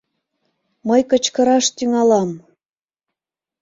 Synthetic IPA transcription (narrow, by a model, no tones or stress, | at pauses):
məjkət͡ɕkə̆ɾɑʃt̪yŋɑlɑm